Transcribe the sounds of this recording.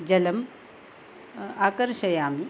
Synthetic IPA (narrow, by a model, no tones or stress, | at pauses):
d͡ʒɐlɐm | aːkɐɾʃɐjaːmi